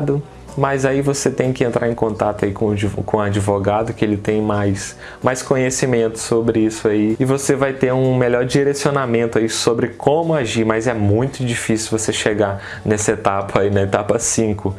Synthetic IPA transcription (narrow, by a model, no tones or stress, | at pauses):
d̪ʊ | mɐzaivoset̪ẽj̃kɪẽnt̪ɾʔaɾẽkõnt̪at̪ʊaikõkõad͡ʒivoɡad̪ʊkɪelɪt̪ẽj̃majs | majskõɲesimẽnt̪ʊ̥sobɾɪisʊaiɪvosevajt̪eɾũmeʎɔɾd͡ʒiɾesionamẽnt̪ʊaisobɾɪkʰõmʊaʒiɾmɐzɛmũj̃t̪ʊd͡ʒifisuwvoseʃeɡa | nɛsɐet̪apʰɐinɐet̪apɐsĩkʊ